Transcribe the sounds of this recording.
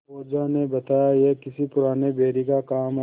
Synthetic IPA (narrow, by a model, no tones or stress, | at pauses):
oːd͡ʒanebɐt̪aːjajekɪsipʊɾaːnebʱeːɾikakaːmɦ